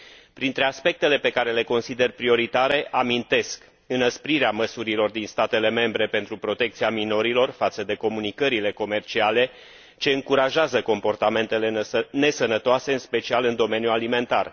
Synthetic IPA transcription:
pɾint̪ɾe̞aspe̞k̚t̪e̞le̞pe̞kaɾe̞le̞ko̞nsid̪e̞rpɾio̞ɾit̪aɾe̞ʔamint̪e̞sk | ɨnəspɾiɾeaməsuɾilo̞rd̪inst̪at̪e̞le̞me̞mbɾe̞pe̞nt̪ɾupɾo̞t̪e̞k̚t̪siamino̞ɾilo̞rfat̪səd̪e̞ko̞munikəɾile̞ko̞me̞rt͡ʃiale̞ | t͡ʃe̞ɨŋkuɾaʒeazəko̞mpo̞rt̪ame̞nt̪e̞le̞ne̞sənət̪oase̞ɨnspe̞t͡ʃialɨnd̪o̞me̞njualime̞nt̪a̰r

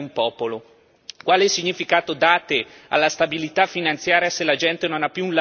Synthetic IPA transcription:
umpɔːpolo | kwaːleilsiɲːifikaːt̪od̪aːt̪e | a̰lːast̪abilit̪afinant̪sjaːɾjaselad͡ʒɛnt̪enonapːjuːnla

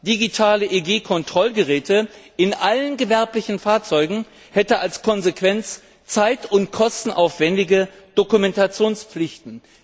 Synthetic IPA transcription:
d̥iɡitʰaːləʔeɡeːkʰɔntʁ̥ɔlɡəʁɛːtʰəʔɪnʔalənɡəvɛɐplɪçn̩faːɐt͡sɔʏɡŋ̩ | hɛtəʔalskʰɔnzekv̥ɛnt͡s | t͡saɪtʊntkʰɔstn̩ʔa̰ʊfv̥ɛndɪɡə | d̥okumɛntat͡sjoːnsp͡flɪçtn̩

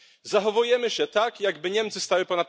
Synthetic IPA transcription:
zaxɔvujɛmɘɕɛt̪akjaɡbɘɲɛmt̪sɘst̪awɘpɔnat̪̚

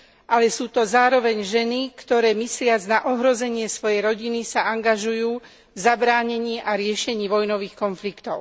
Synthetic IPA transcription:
ʔalɛsuːt̪ɔzaːɾɔʋɛɲʒɛnikt̪ɔɾɛːmislɪad͡znaʔɔɦɾɔzɛɲɪɛsʋɔjɛjɾɔɟinisaʔaŋɡaʒujuː | vzabɾaːɲɛɲiːʔaɾɪɛʃɛɲiːʋɔjnɔʋiːxkɔnflikt̪ɔʊ

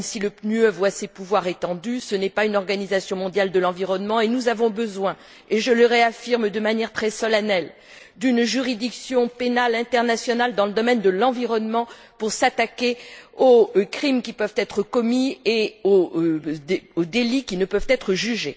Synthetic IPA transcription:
siləpnyøvwasepuvwaʁet̪ɑ̃d̪ysənɛpaynɔʁɡanizasjɔ̃mɔ̃d̪jald̪əlɑ̃viʁɔnmɑ̃enuzavɔ̃bəzwɛ̃ | eʒələʁeafiʁmd̪əmanjɛʁt̪χɛsɔlanɛl | d̪ynʒyʁid̪iksjɔ̃penalɛ̃t̪ɛʁnasjɔnald̪ɑ̃ləd̪ɔmɛnd̪əlɑ̃viʁɔnmɑ̃ | puʁsat̪akʲeokχimkʲipœvt̪ɛt̪χəkɔmieo | eod̪elikʲinəpœvt̪ɛt̪χəʒyʒe

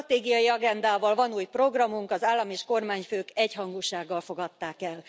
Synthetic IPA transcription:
t̪eːɡijɒjiɒɡɛnd̪aːvɒlvɒnuːjpro̞ɡrɒmuŋkɒzaːlːɒmeːʃko̞rmaːɲføːkɛchɒŋɡuːʃaːɡːɒlfo̞ɡɒt̪ːaːkɛl

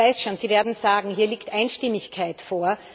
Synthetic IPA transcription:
aɪsʃoːnziːveːɐdn̩zaːɡŋ̩ɦiːɐliːktʔaɪnʃtɪmɪçkʰaɪtfoːɐ

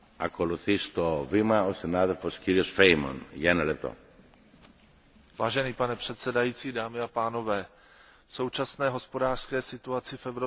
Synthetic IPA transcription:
ɐko̞luθist̪o̞vimɐosinaðelfo̞sciɾiosfejmo̰nʝɐenɐlep̚t̪o̰ | vaːʒɛniːpanɛpr̥ɛt̪sɛdajiːt͡siːdaːmɪapaːno̞vɛː | fso̞wt͡ʃasnɛːɦo̞spo̞daːr̥skɛːsɪt̪uat͡sɪfɛvɾo

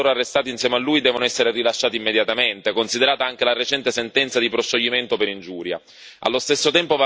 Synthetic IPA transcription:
oːɾoarːest̪aːt̪insjɛːmalːuːjd̪ɛːvonoɛsːeɾerilaʃːaːt̪imːed̪jat̪ament̪ekonsid̪eɾaːt̪aaŋk̟elaret͡ʃɛnt̪esent̪ɛnt̪sad̪ipɾosʃːoʎːiment̪opeɾind͡ʒuːɾja̰ | a̰lːost̪esːot̪ɛmpova

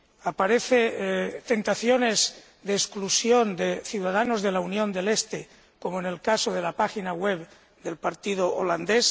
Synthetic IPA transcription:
apaɾeθet̪e̞nt̪aθjo̞ne̞z | d̪eːsklusjo̞nd̪e̞θjuwð̞aðanozðe̞launjõ̞nd̪e̞lest̪e | ko̞moenelkasoðe̞lapaxinaɣweβ | d̪e̞lpaɾt̪iðoʔoland̪es

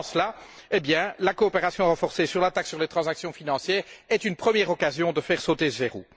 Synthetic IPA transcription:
slaebjɛ̃lakoːpeʁasjɔ̃ʁɑ̃fɔʁsesyʁlat̪aksyʁlet̪χɑ̃zaksjɔ̃finɑ̃sjɛːʁɛt̪ynpχəmjɛʁɔkazjɔ̃d̪əfɛʁsot̪esəzeʁṵ

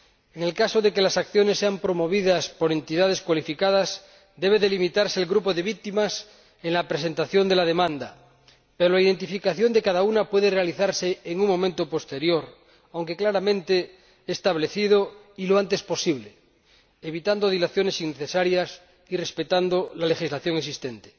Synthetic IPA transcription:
eŋe̞lkasoðeke̞lasakθjo̞ne̞sːeampɾo̞mo̞βiðaspoɾe̞nt̪iðað̞e̞skwalifikað̞as | d̪e̞β̞e̞ðelimit̪aɾse̞ːlɣɾupoðe̞βik̚t̪imas | eŋlapɾes̬e̞nt̪aθjo̞nd̪e̞laðe̞mãnd̪a | peɾolaiðe̞nt̪̬ifikaθjo̞nd̪e̞kaðaunapwe̞ðerealiθaɾseːŋuŋmõmẽnt̪opo̞st̪e̞ɾjo̞ɾ | awŋke̞klaɾamẽ̞nt̪e | est̪aβ̞le̞θiðo | iloant̪e̞spo̞siβle | eβit̪and̪oð̞ilaθjo̞ne̞siŋneθesaɾjas | irespe̞t̪and̪olale̞xizlaθjo̞ŋesist̪ent̪e̥

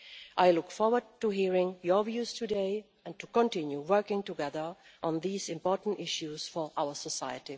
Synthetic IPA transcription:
ʔaɪlʊkfɔɹwə˞d̚tuɦiɹɪ̃ŋjəvjuz̥tʰɨdeɪ | æ̃ntʰukə̃ntɪ̃njuwɜ˞kɪ̃ŋtɨɡɛðə˞ʔə̃nðiːzɪ̃mpɔɹtn̩tɪʃjuz̥fɔ˞ʔaʊə˞səsaɪəti

